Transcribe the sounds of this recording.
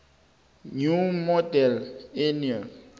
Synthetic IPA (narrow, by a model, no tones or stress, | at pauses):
ɲumɔdɛlenial